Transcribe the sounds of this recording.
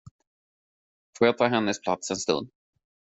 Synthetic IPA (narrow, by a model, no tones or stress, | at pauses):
foːɾjat̪ʰɑːɦɛnːəspʰlat̪sɛnst̪ɵ̰nd̪